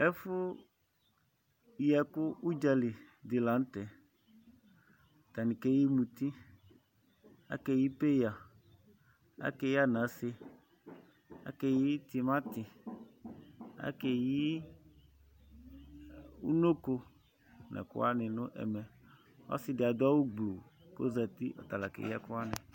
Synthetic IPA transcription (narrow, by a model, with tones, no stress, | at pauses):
ɛ˦fʊ˦ | jɛ˨kʊ˦u˦d͡ʒa˨lɪ˨d̪ɪ˨la˨n̩˦t̪ɛ˨ | t̪a˨nɪ̃˨ke˦ji˦mũ˨t̪i˦ | a̰˦kɛ˨ji˦pe˦ja˨ | a̰˦kɛ˦˨ji˦a˦nã˨˦sɪ˦ | a̰˦ke˦˨ji˦t̪i˨mã˦t̪ɪ˨ | a̰˦ke˨ji˦ | ṵ˦no˦ko˦ | nɛ̰˨kʊ̰˦a˦nɪ̃˨nʊ̃˦ʔɛ̰˨mɛ˨ | ɔ̰˦sɪ˦dɪ˨a˨d̪ɔ˦wu˦ɡ͡blo˨ko˦za˨t̪ḭ˦ʔɔ̰˨t̪a˨la˨kḛ˨ja˦kʊ˦a˦nɛ̃˨